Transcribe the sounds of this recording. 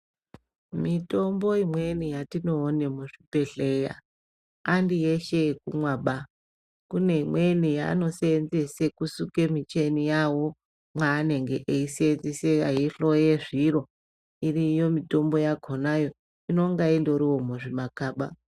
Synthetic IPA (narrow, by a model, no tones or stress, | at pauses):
mito̞mbo̞imwe̞nijatino̞ːne̞muʐipe̞ɬe̞ja̰ː | ndijeʃe̞kumwaɓa | kune̞imwenija̰ːno̞senzesekusukemit͡ʃenijawo̞ | mwaːne̞ŋɡe̞ʔeiseenzeseajiɬo̞je̞ʐiɾo̞ | irijo̞mito̞mbo̞jaɡʱonajo̞ | ino̞ŋɡaendo̞ɾiwo̞muʐimakaːɓa